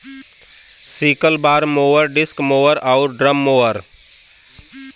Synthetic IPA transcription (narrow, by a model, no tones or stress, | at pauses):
siːkəlbaːɾmoːʋəɾɖɪskmoːʋəɾaʊɾɖɾəmːoːəɾ